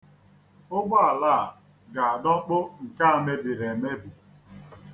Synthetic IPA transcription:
ʊ˦ɡɔ˦a˨laː˦˨ | ɡa˨a˨dɔ˦k͡pʊ˦ŋ̩˨ka˦a˨me˦bi˨ɾe˨me˦bu˨

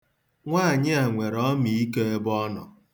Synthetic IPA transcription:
ŋʷaː˦˨ɲɪ˦a˨ŋʷe˨ɾɔ˦mi˨i˦ke˦e˦bɔ˦nɔ̰˨

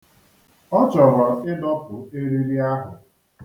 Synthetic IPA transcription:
ɔ˦t͡ʃɔ˨ɾɔ˨ɪ˦dɔ˦pʊ˨e˦ɾi˦ɾi˦a˦ɦʊ˨

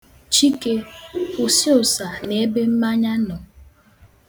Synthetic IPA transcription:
t͡ʃi˦ke˦ʊ˨si˦ʊ˨sa˨ne˦be˦m̩˦ma˦ɲa˦nɔ˨

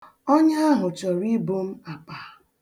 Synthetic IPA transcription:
o˦ɲa˦ɦʊ˨t͡ʃɔ˨ɾi˦bo˦m̩˦a˨k͡pa˨

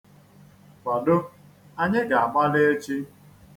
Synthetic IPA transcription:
ka˨dʊ˦ | a˦ɲe˦ɡa˨a˨ɡ͡ba˦le˦e˦t͡ʃi˦

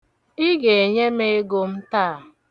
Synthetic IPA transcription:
i˦ɡe˨e˨ɲe˦me˦e˦ɡo˨m̩˦taː˦˨

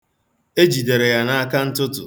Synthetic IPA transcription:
e˦d͡ʒi˨de˨ɾe˨ja˨na˦a˦ka˦n̩˦tʊ˦tʊ˨

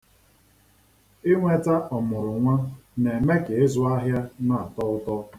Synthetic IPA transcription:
ɪ˦ŋʷe˨ta˦ʔɔ˨mʊ˨ɾʊ˨ŋʷa˦ne˨me˦ke˨e˦zʊ˦a˦ɦja˦na˦˨a˨tɔ˦ʊ˦tɔ˦

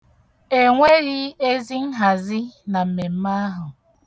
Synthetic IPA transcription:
e˨ŋʷe˦ɣi˦e˦zi˦n̩˦ɦa˨zɪ˦na˨m̩˨me˨m̩˦ma˦ɦʊ˨

